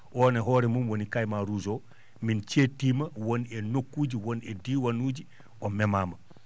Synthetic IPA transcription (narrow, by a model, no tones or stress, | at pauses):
ʔɔːnɛɦɔːɾɛmumwonikajmaɾuzo | mint͡ʃetːiːmɐwonɛnokːuːd͡ʒiwonɛdiːwanuːd͡ʒi | omɛmaːmɐ